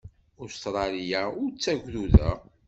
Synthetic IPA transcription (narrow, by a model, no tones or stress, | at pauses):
ʊst̪ɾˤɑlijaʊɾt͡sːæʝʷðuðæ̰